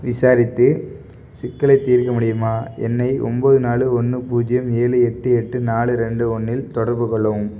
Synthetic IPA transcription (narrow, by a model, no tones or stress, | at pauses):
ʋɪsaːɾɪt̪ːɯ | sɪkːɐlɐɪt̪ːiːɾkɐmʊɽɪjɯmaːɛ̰nːɐɪʔɔ̰mboːðɯnaːlɯɔnːɯpuːd͡ʒɪjɐmeːlɯɛʈːɯɛʈːɯnaːlɯɾɛɳɖɯɔnːɪlt̪ɔɽɐɾbɯkɔɭːɐʋɯm